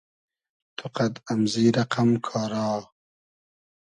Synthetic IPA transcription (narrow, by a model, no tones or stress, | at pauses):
t̪ʰuqad̪amziːɾɐqamkʰɑːɾɑː